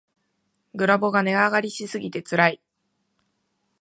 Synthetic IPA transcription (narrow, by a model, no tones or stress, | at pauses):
ɡɯ̟ɾabo̞ɡane̞aɡaɾʲiɕisɨɡʲit̪e̞t͡sɨɾai